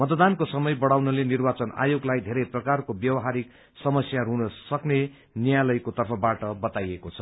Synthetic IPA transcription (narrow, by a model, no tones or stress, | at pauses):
mʌt̪d̪ankosʌmʌjbʌɽawnʌlenirbat͡sʌna̰joɡlajd̪ʱeɾʌjprʌkarkobjʌwʌɦaɾik̚ | sʌmʌsjaɾunʌsʌkne | njjalʌjkot̪ʌrpʰʌbaʈʌbʌt̪ajekot͡sʰʌ